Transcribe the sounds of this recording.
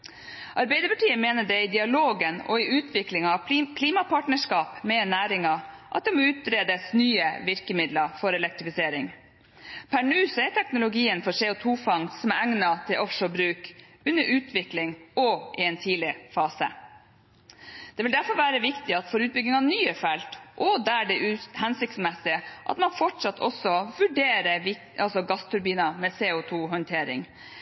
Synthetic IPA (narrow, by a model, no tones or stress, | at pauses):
ʔɑɾbɛɪd̪əɾpɑʈiːəmeːnəɖɛɪd̪ɪɑloːɡənɔ̰ɪʉːt̪ʰʋɪklɪŋɑʋkʰliːmɑpʰɑʈɳəʂkɑːpmɛnæːɾɪŋɑʔɑ̰t̪̚d̪ɛmɔʉːt̪̚ɾeːd̪əsnyːəʋɪɾkəmɪd̪lɑfɔɾɛlɛkt̪ɾɪfɪseːɾɪŋ | pʰæɳʉːsɔɛʈ̪ʰɛknʊlʊɡiːənfɔseːʊt̪ʰuːfɑŋsɔmæɾæŋnɑt̪ʰɪlʔɔfʂɔbɾʉːk | ʉnːəɾʔʉːt̪ʰʋɪklɪŋɔʔɪɛnt̪ʰiːlɪfɑːsə̰ | d̪̥ɛʋɪld̪æɾfɔɾʋæːɾəʋɪkt̪ɪɑt̪fɔɾʉːt̪̚bʏɡɪŋɑnyːəfɛlt̪ʔɔd̪æɖɛʔʉhɛnsɪk̚t̪smɛsɪəʔɑ̰t̪mɑnfɔʈʂɑt̪ːʰɔ̰sɔʋʉɖeːɾəʋɪ | ɑlsɔɡɑst̪ʰʉɾbiːnɑmɛseːʊt̪ʰuːɦɔnt̪ʰeːɾɪ̰ŋ